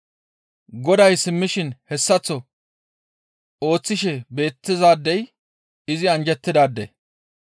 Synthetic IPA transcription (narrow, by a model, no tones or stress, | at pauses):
ɡɔd̪ɐjsɪmːɪʃɪnhɛsːɐt͡sːɔ | o̞ːt͡sːɪʃɛbe̞ːt̪ːɪzaːd̪ːɛj | ɪzɪɐnd͡ʒɛt̪ːɪd̪aːd̪ːḛ